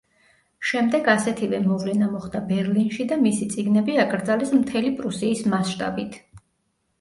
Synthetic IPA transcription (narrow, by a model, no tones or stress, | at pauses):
ʃɛmd̪ɛɡasɛt̪ʰivɛmɔvlɛnamɔχd̪abɛɾlinʃid̪amisit̪sʼiɡnɛbiakʼɾd̪zalɛsmt̪ʰɛlipʼɾusiːsmasʃt̪ʼa̰bit̪ʰ